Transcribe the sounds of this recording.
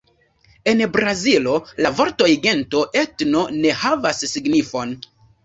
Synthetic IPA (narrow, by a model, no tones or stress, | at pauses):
e̞nbɾazilo̞lavo̞ɾtojɡe̞nto̞ʔe̞tno̞ne̞havasːiɡnifo̞n